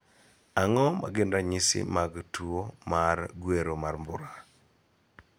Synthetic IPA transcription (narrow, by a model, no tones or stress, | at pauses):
aŋɔma̰ɡɪndaɲɪsɪ̰maɡtuomaɾɡweɾomarmbʊɾa